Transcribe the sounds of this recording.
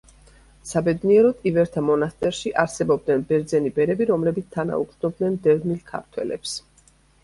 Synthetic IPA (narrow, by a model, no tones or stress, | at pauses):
sabɛd̪niɛɾɔt̪ʼivɛɾt̪ʰamɔnast̪ʼɛɾʃiʔaɾsɛbɔbd̪nɛnbɛɾd̪zɛnibɛɾɛbiɾɔmlɛbit̪sʰt̪ʰana̰ṵk̪nɔb̚d̪nɛnd̪ɛvmilkʰa̰ɾt̪ʰwɛ̰lɛ̰ps